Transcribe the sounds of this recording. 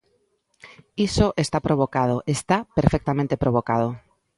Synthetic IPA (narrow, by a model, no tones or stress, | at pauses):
isoʔest̪apɾoβ̞okað̞oʔest̪apeɾfek̚t̪amẽnt̪e̞pɾoβ̞okað̞o